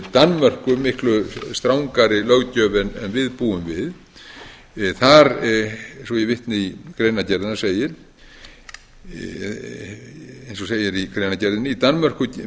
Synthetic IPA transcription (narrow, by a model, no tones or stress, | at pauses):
t̪anmœr̥kʏmɪhklʏst̪ɾawŋkaɾɪlœɣcœːvɛnɛnvɪðpuʏmvɪð | θaɾ | sɔjɛvɪht̪nɪikɾeːjnacɛɾðɪnaseːjɪɾ̥ | ejnsɔseːjɪɾikɾejnacɛɾðɪnɪit̪anmœr̥kʏ